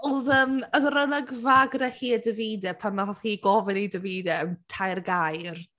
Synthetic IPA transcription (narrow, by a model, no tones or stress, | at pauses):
ʊðəːmənrənaɡvaɡrɛhiːədəviːdɛpʰanɔθiːɡɔvɪnidəviːdɛəmtʰajrɡajr